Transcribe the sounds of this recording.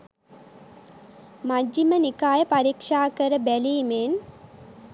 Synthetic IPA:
mad͡ʒːimənikaːjəpaɾikʂaːkəɾəbæliːmeːn

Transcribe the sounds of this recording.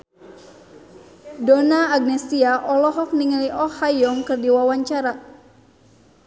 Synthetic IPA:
dɔnaːɡ̚nɛsiaʔɔlɔɦɔk̚niŋəliʔɔhajɔŋkɨrdiwawaɲt͡ʃaɾa

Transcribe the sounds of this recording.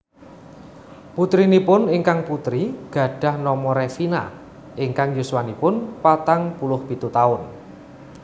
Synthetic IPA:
put̪ɾinipʊniŋkaŋput̪ɾiɡ̥ä̤ɖ̥ä̤hnɔmɔɾefina̰ | ʔiŋkaŋjuswanipʊnpat̪aŋpulʊhb̥i̤t̪ut̪aʊn

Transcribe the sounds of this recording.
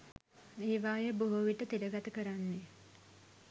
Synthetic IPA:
eːʋaːjəboɦoʋiʈət̪iləɡat̪əkəɾanːe

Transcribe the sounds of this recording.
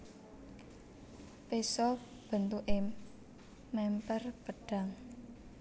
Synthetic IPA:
pesɔ | b̥ə̤nt̪uʔe | mɛmpərpəɖ̥a̤ŋ

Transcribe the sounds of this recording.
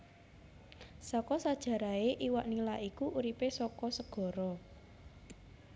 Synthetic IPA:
sɔkɔsad̥ʒ̥ä̤ɾaeʔiwaʔnilaʔikuʔuɾipesɔkɔsəɡ̥ɔ̤ɾɔ

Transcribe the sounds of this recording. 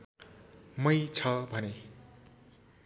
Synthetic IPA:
mʌjt͡sʰʌbʱʌne

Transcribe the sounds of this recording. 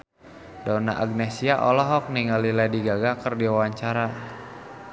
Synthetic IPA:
dɔna̰ʔaɡ̚nɛsiaʔɔlɔɦɔk̚niŋaliladiɡaɡakərdiwawaɲt͡ʃaɾa

